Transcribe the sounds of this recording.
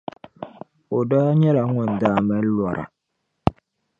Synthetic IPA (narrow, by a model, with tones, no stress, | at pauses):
o˨da˦ɲɛ˦la˨˦ŋɛ˨n˨da˨mɛ˦lwa˨ɾʔa̰˨